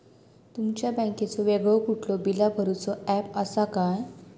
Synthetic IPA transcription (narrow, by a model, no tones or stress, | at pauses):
t̪umt͡ɕjabə̃ket͡sɔʋeɡəkuʈlɔbilabʱəɾut͡sɔɛpəsakaj